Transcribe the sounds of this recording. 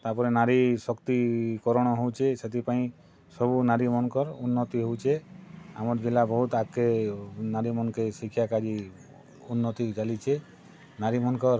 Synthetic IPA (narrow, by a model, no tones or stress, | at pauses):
t̪aɾpɔɾenaɾisɔkt̪ikɔɾɔɽ̃ɔɦowt͡ʃʰeset̪ʰipaĩ | sɔbunaɾimɔnkɔɾunːɔt̪iɦowt͡ʃʰea̰mɔɾd͡ʒilabɔɦut̪akenaɾimɔnkesikʰːjakad͡ʒi | unːɔt̪it͡ʃalit͡ʃʰe | naɾimɔnkɔɾ